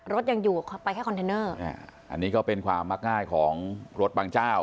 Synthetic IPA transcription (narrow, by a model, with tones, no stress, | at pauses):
ɾo˦˥t̪̚ja˧ŋjuː˨˩pa˧jkʰːkʰnt̪ʰeː˧nɤː˥˩ɛ̰˥˧˩ʔa̰˧nːiː˦˥kɔː˥˩pe˧nkʰwaː˧mːaː˥˩k̚ŋaː˥˩jkʰɔː˩˦ŋɾo˦˥t̪̚baː˧ŋt͡ɕaː˥˩w